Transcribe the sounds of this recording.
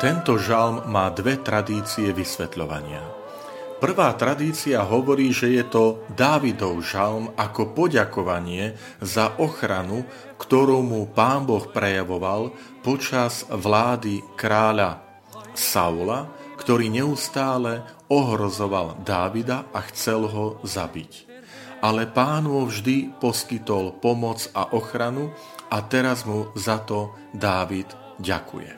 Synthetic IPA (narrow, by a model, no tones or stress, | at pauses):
t̪ɛnt̪ɔʒalmːaːd̪ʋɛt̪ɾad̪iːt͡siɛʋisʋɛt̪ʎɔʋa̰ɲɪa̰ | pr̩ʋaːt̪ɾad̪iːt͡siaɦɔʋɔɾiːʒɛjɛt̪ɔd̪aːʋid̪ɔʊʒalmakɔpɔɟakɔʋaɲɪɛ | zaʔɔxɾanu | kt̪ɔɾuːmupaːmbɔxpɾɛjaʋɔʋal | pɔt͡ʃaz̥ʋlaːd̪ikɾaːʎa | sa̰ulakt̪ɔɾiːɲɛust̪aːlɛ | ɔɦɾɔzɔʋald̪aːʋid̪aʔaxt͡sɛlɦɔzabic | ʔalɛpaːnʋɔvʒd̪ipɔskit̪ɔlpɔmɔt͡saʔɔxɾanu | at̪ɛɾazmuzat̪ɔ | d̪aːʋid̪ | ɟa̰kṵjɛ̰